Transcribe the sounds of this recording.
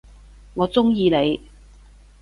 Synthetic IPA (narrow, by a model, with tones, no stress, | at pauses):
ŋɔː˨˧t͡sʊ˥ŋjiː˧ne˨˧j